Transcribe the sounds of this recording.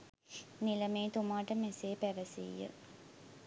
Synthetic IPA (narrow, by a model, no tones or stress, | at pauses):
nilɐmeːt̪umaːʈəmeseːpæʋəsḭjːə̰